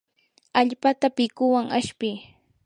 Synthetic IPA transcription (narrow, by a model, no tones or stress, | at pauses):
aʎpat̪apɪkʊwaŋaʃpɪː